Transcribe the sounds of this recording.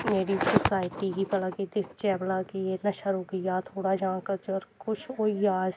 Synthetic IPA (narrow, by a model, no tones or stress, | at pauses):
meːɾisʊsaːɪʈiɡipɐlakid̪ɪkʰt͡ʃɛːblakienɐʃaɾoɡəjat̪ʰoːɽad͡ʒãːkət͡ʃɔːɾkʊt͡ʃʰoːijaːz